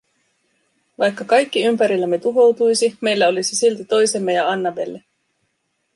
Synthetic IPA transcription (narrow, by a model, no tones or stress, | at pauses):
ʋɑjkːɑkɑjkːiympæɾilːæmːet̪uɦo̞wt̪ujsime̞jlːæo̞lisisilt̪it̪o̞jse̞mːe̞jɑɑnːɑbe̞lːe